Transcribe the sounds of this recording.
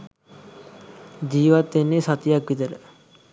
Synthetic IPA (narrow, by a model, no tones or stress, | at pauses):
d͡ʒiːʋat̪ːenːesat̪ijakʋit̪ələ